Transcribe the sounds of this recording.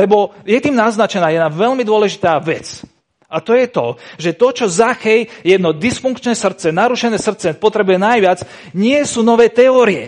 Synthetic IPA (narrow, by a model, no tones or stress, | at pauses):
lɛbɔjɛt̪iːmnaznat͡ʃɛnaːjɛd̪naʋɛlmid̪ʊɔlɛʒit̪aːʋɛt͡s | at̪ɔjɛt̪ɔʒɛt̪ɔt͡ʃɔzaxɛjjɛd̪nɔd̪isfuŋkt͡ʃnɛsr̩t̪t͡sɛnaɾuʃɛnɛːsr̩t̪t͡sɛpɔt̪ɾɛbujɛnajʋɪat͡s | ɲɪɛsuːnɔʋɛːt̪ɛɔːɾiɛ̰